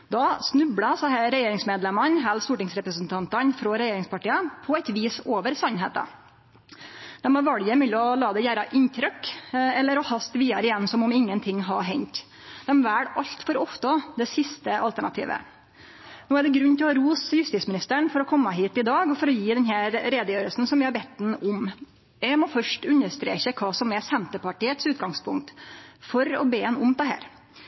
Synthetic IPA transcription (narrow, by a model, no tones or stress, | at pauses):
d̪ɑsnʉbɽɑsɑhæɾɛjeːɾɪŋsmeːd̪lɛmɑnɦæːlst̪uːʈɪŋsɾɛpɾəsn̩t̪ʰɑnt̪ɑnfɾɔɾɛjeːɾɪŋspɑʈiːɑpʰɔɛt̪ʋiːsoːʋəɾsɑnɦḛːt̪ɑ̰ | d̪̥ɛmɔʋɑɽjəɪmʉlːəɔlɑːd̪ɛjæːɾɑʔɪnt̪ʰɾœkɛlːəɾɔhɑst̪ʋiːɑɾɪjɛnːsɔmɔmɪŋːənt̪ʰɪŋːɦɑɾɦɛɲt̪ | d̪ɛmʋæːɽɑʎt̪fɔɾɔft̪əd̪ɛsɪst̪əʔɑlt̪æɳɑt̪ʰḭːʋə̰ | nuːæɖɛɡɾʉnːt̪ɪlɑɾuːsjʉst̪iːsmɪnɪst̪əɳfɔɾɔkʰɔmːəɦiːt̪ɪd̪ɑːɡɔfɔɾɔjiːd̪ɛnɦæːɾɾeːd̪əjøːɾəlsn̩sɔmʋɪhɑɾbɛt̪ːd̪ɛn̩ʊm | jɛmɔfœʂʈʉnːəʂt̪ɾḛːçəkʰɑːsɔmɛsɛnt̪əɾpɑʈiːət̪sʉːt̪ɡɑŋspʰʊ̰ŋk̚t̪fɔɾɔ̰beːɛnʊmt̪ɛɦæ̰ːɾ